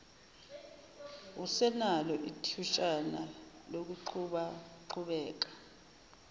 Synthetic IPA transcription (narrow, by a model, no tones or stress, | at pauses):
usɛnalɔʔitʰuʃʼana | lok̬uǃʰuɓaǃʰuɓɛːk̬ḁ